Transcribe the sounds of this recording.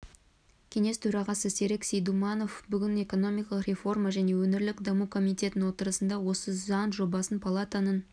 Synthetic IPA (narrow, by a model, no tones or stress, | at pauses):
kʲʰe̞ŋe̞st̪ʰɵɾɑʁɑsəse̞ɾeksejd̪umɑno̞fbʏɡʲɪne̞ko̞no̞mijkɑlˠəqrʲe̞fo̞rmaʒæne̞wɵnɪɾlɪkd̪ɑmukʰo̞mijt̪ʲe̞t̪ɪnwo̞t̪əɾəsənd̪ɑwo̞səzɑnʒo̞bɑsənpʰalˠat̪anən